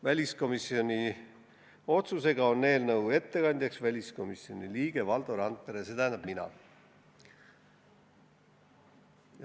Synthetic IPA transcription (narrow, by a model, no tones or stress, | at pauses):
vælʲisko̞misio̞nʲi | o̞t̪suse̞ɡ̥ɑo̞nːe̞ːlnɤwe̞t̪ːe̞kɑnʲd̪̥ʲjɑksvælʲisko̞misio̞nʲiliːɡ̥e̞vɑld̪̥oɾɑnt̪ːeɾeset̪æːnɑb̥̚minɑ̰